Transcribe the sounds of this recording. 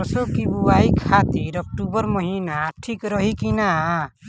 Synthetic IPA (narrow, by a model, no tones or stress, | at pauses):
sokibuaikʰat̪iɾɔk̚ʈubɔɾmɔɦinaʈʰikɾɔɦikina